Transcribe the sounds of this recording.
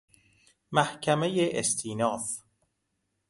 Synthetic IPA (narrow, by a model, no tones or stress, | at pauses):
mæhcʰæmejeʔest̪ʰiːnɒːf